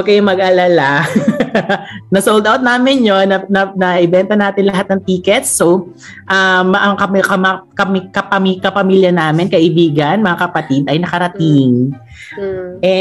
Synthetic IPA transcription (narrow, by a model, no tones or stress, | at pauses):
kɐjomɐɡʔɐlala | nɐsowld̪awt̪̚naːmɪnjonɐnɐnɐʔɛbɛnt̪ɐnaːt̪ɪnlɐɦat̪̚nɐŋt̪iːkɛt̪̚so | ʔɐmʔɐŋkɐmkɐmakɐmkɐpɐmikɐpɐmiːljɐnaːmɪnkɐʔɪbiːɡɐnmɐŋakɐpɐt̪id̪ɐjnɐkɐɾɐt̪iŋ | ʔɛ